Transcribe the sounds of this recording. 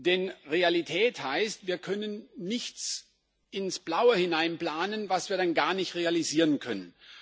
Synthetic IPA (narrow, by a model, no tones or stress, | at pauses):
d̥ɛnʁealitʰɛːthaɪstv̥iːɐkʰœnənːɪçt͡s | ɪnsb̥laʊəhɪnaɪnpl̥aːnənvasv̥iːɐɾanɡaːɐnɪçtʁealiziːʁənkʰœnən